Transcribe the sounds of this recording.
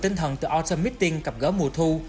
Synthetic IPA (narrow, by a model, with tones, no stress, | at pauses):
t̪i˧ŋ̟t̪ʰə˨˩nt̪ɨ̰˧˩ʔɔ˧t̚səː˧mi˦˥t̚t̪i˧ŋka˨˩p̚ɣəː˧˦mu˨˧˩t̪ʰu˧